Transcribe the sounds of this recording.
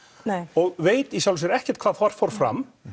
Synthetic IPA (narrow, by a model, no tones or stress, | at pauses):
ɔɣveːjt̪isjawlʏsjɛɾɛhcɛɾ̥t̪kʰv̥aːðfar̥faɾ̥fɾa̰m